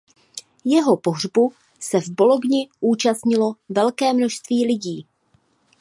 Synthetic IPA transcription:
jɛɦo̞po̞ɦr̝bu | sɛvbo̞loɡɲɪʔuːt͡ʃast̪ɲɪlo̞vɛlkɛːmnoʃst̪viːlɪɟiː

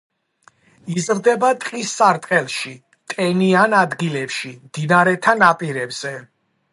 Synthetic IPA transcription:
izɾd̪ɛbat̪ʼqʼisːaɾt̪ʼqʼɛlˠʃi | t̪ʼɛnianad̪ɡilɛpʃimd̪̥inaɾɛt̪ʰanapʼiɾɛbz̥ɛ

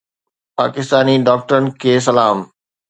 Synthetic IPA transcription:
pa̰ːkɪst̪aːniɖaːk̚ʈəɾənɪ̆kʰeːs̬ɐlaːm

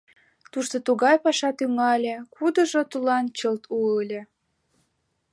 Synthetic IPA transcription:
t̪uʃt̪ot̪uɣɑjpɑʃɑt̪yŋɑlʲekud̪ə̆ʒot̪ulɑnt͡ɕəlt̪ʰuəlʲĕ

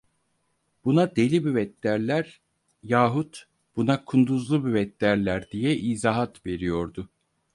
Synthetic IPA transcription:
b̥unad̪elʲibivɛt̪lːʲæɾlʲæɾ | jaːɦut̪ | b̥unakʰund̪uzlˠubivɛt̪ːæɾlʲæɾd̪ijɛʔizaːɦat̪ve̞ɾijo̞ɾd̪ʊ

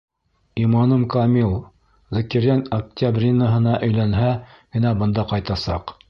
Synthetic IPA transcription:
imɑnɤmkɐmilˠ | zɘ̆kiɾænɐk̚t̪ʲabrʲinəɦɤ̆nɑʔɵ̆jlænɦæ | ɡ̥ɘ̆næbɤ̆nd̪ɑqɑjt̪ɑsɑ̰q

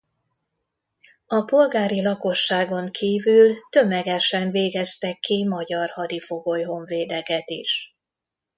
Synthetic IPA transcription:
ɒpo̞lɡaːɾilɒko̞ʃːaːɡo̞ŋkʰiːvylt̪ø̞mɛɡɛʃɛɱveːɡɛst̪ɛkʰːimɒɟɒrhɒd̪ifo̞ɡo̞jɦo̞ɱveːd̪ɛkɛt̪ḭʃ

